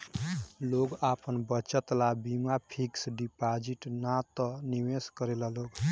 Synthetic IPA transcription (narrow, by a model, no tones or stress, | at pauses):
loɡapʰənbət͡ʃət̪labimapʰiksɖipad͡ʒiʈnat̪ɔniweskəɾelaloɡ